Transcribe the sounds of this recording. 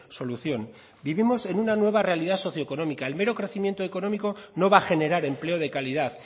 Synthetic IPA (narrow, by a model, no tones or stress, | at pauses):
so̞luθjo̞n | biβimo̞se̞nunanwe̞β̞are̞aliðaso̞θjoko̞no̞mikae̞lme̞ɾo̞kɾe̞θimje̞nt̪oeko̞no̞miko̞no̞βaxe̞ne̞ɾaɾe̞mple̞oð̞e̞kaliðaθ